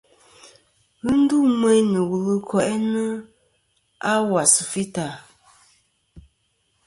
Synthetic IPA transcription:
ɣɨ˦n̩˦du˦mɛ˦nə˨wu˨lɨ˦kʰɔ˦˨ʔɛ˦nə˦ | a˦wa˨sɨ˨fi˦ta˨

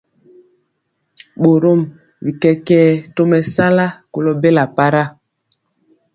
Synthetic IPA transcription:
ɓo˨ɾo˦˨m | vi˨kɛ˦kɛ˦to˦mɛ˨sa˦la˦ko˨lo˦be˦la˨pa˦ɾa˦˨

